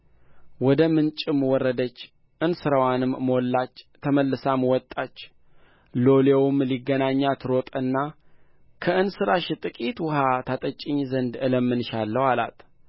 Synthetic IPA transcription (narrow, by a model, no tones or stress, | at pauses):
wɔd̪əmɨnt͡ʃʼɪmwɔrːəd̪ət͡ʃː | ʔɨnsɨɾəwanɨmːolːat͡ʃːt̪ʰəməlːɨsamwɔt̪ʼat͡ʃː | lolewɨmliɡːənaɲːat̪ʰɨɾot̪ʼɨnːa | kʰəɨnsɨɾaʃɪt̪ʼɨkʼit̪wʊhat̪ʰat̪ʼət͡ʃʼːɪɲːzənd̪ɨləmːɨnʃalːəwala̰t̪ʰ